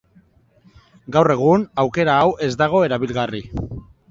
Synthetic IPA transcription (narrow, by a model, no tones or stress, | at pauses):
ɡawre̞ɣ̞unawke̞ɾaːwʔe̞zd̪aɣ̞o̞e̞ɾaβilɣari